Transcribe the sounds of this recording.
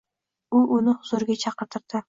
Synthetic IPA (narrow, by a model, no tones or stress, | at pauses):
ʊʔʊnɪhʊzoɾɡʲat͡ʃʰɑqɨɾt̪ʰɨɾd̪̥ɪ